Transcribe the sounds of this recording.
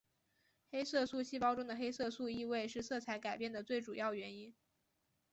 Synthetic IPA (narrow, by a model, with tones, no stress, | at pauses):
xe˥ɪsɤ˥˧su˥˧ɕi˥˩pɑ˥ʊʈ͡ʂʊ˥ŋd̪ə˨˩xe˥ɪsɤ˥˧su˥˧i˥˧we˥˧ɪʂɻ̩˥˧sɤ˥˩t͡sʰa˧˥ɪka˨˩ɪpjɛ˥˩nd̪ə˩t͡swe˥˩ɪʈ͡ʂu˨˩jɑ˥˩ʊɥɛ˧˥ni˥n